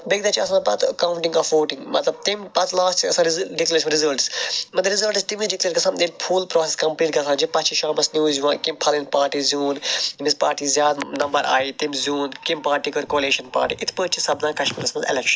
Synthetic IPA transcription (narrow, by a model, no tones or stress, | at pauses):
beɡ̚d̪ɐːt͡ʃʰiɐsãːpɐt̪ʰɐkaːwʊ̃ɳʈĩŋɡɔːfʋoːʈɪ̃ŋɡmɐt̪lɐb̚t̪impɐt̪ʰlaːsʈɐsãːɾɖeklɐɾeːʃɐnɾɪzɐlʈsmɐt̪ɐɾɪzɐlʈst̪imĩɖɪkləɾːʈkɐsʰãːnenpʰuːlpɾɔːseskɐmpliːʈkɐsʰãːd͡ʒipɐt̪t͡ʃʰiʃãːmɐsnjuːzuʋãːkɪmpʰɐlinpaːɾʈiːzuːnmispaːɾʈiːzjaːd̪nɐmbɐɾa̰ːiːt̪imzuːnkɪmpaːɾʈikoɾkoːliːʃɐnpa̰ːɾʈiʔɪt̪ʰpəːt͡ʃʰisɐbnãːkɐʃmiːɾɐsmɐnzḛlɛkʃɐ̥n